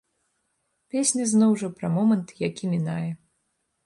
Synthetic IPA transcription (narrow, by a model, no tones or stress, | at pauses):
pʲesʲnʲɐznɔwʐɐpɾɐmɔmɐnt̪jakʲimʲinajɛ